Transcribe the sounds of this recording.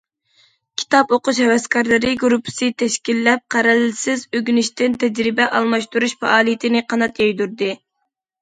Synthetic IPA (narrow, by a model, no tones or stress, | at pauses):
kʲʰi̥t̪ʰɑpoqʊʃhɛwɛskʰɑɾlˠɨɾɨɡɾupʰːɨ̥sɨt̪ʰɛʃkʲilːɛp̚qʰæɾɛlsɪzøɡʲynɪʃt̪ɪnt̪ʰɛd͡ʒɾɪbɛʔɑlˠmɑʃt̪uɾuʃfɛ̰ʔɑːlˠijɪt̪ʰɪnɪqɑnɑt̪jɛjd̪uɾd̪ɨ